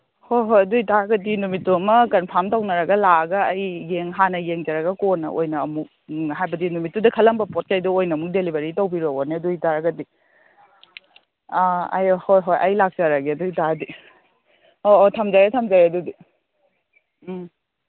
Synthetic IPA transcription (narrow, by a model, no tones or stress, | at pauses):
hojɦojɐdujtaɾɐɡɐdinumitːuɐmɐkɐnpʰaɾmtawnɐɾɐɡɐlaɡɐːjːeŋɦanɐjeŋd͡ʒɐɾɐɡɐkonɐ̰ʔo̰jnɐ̰ːmuk̚ɦajbɐdinumitːudɐkʰɐlɐmbɐpɔt̚kʰajduojnɐmuk̚delibɐɾitawbiɾowoneɐdujtaɾɐɡɐdi | ɐ̰jhojɦojʔɐjlak̚t͡ʃɐɾɐɡiɐdujtadi | oːtʰɐmzajatʰɐmd͡ʒajɐdudi